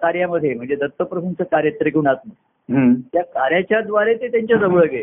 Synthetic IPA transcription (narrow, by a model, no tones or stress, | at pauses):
kaɾjaməd̪ʱjem̤əɳd͡zed̪ət̪ːəpɾəsunt͡səkaɾjət̪ɾikuːnasnə | ɦət̪jakaɾjat͡ɕjad̪ʋaɾet̪et̪jaɲt͡ɕjad͡zəʋəɭəɡe